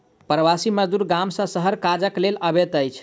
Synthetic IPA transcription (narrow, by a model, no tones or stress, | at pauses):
pɾəʋasiməd͡ʒd̪uɾɡamsə̃səɦəɾkad͡ʒəkleləbet̪əjt͡ʃʰ